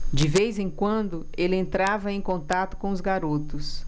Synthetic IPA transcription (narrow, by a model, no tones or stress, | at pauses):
d͡ʒɪvejzẽj̃kwɐ̃nd̪ʊ | elɪẽnt̪ɾavɐẽj̃kõnt̪at̪ʊ̥kõʊzɡaɾot̪ʊs